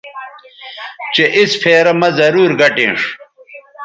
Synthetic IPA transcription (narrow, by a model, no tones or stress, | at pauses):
t͡ɕeʔisfʰeːɾɐmɐzɐɾuːɾɡɐʈḛ̃ːʂ